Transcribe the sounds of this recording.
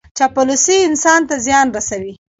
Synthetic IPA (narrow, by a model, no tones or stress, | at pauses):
t͡ʃapʊlusiɪnsɑnt̪azjɑnɾasawi